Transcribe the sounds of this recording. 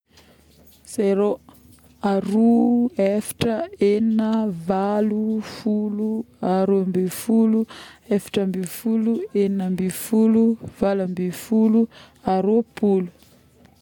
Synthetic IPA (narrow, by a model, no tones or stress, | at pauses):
z̥ejɾo | aɾuefḁʈ͡ʂəeninəvalufuluaɾoambefuluefḁʈ͡ʂəmbifulueninəmbifuluvalambifulu | aɾopulu̥